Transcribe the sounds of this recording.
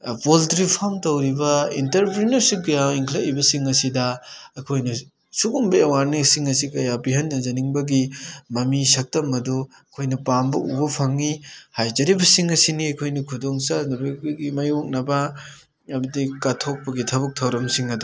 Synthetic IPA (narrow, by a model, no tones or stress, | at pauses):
poltɾipʰamtɐwɾibɐintɐɾpɾinɐɾsip̚ɡɐjawiŋkʰlɐibɐsiŋɐsidɐɐkʰojnɐ | suɡumbɐewaɾnisiŋɐsikɐjabiɦɐnːɐzɐniŋbɐɡimɐmisɐk̚tɐmɐdu | ɐkʰojnɐpambɐṵbɐpʰɐŋːihajzɐɾibɐsiŋɐsiniɐjkʰojnɐkʰudoŋsanɐbɐkɡimɐjok̚nɐbɐ | ɐmɐdikatʰok̚pɐɡitʰɐβɐk̚tʰɐwɾɐmsiŋɐdu